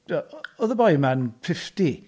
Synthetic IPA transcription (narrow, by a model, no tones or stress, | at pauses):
ɔðəbɔjmanfɪfti